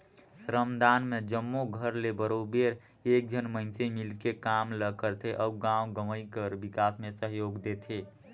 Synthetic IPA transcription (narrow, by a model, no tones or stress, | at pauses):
sɾəmd̪anmed͡ʒəmːoɡʱəɾlebəɾobeɾ | ek̚d͡ʒʱənməɪnsemilkekamləkəɾt̪ʰeʔəuɡãwɡəməjkəɾbikasmesəɦjoɡd̪et̪ʰe